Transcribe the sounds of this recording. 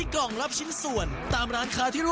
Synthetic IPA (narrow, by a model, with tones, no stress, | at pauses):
kɔ˨˩ŋɾa˦˥p̚t͡ɕʰi˦˥nsu˨˩ənt̪aː˧mɾaː˦˥nkʰaː˦˥t̪ʰiː˥˩ɾu˥˩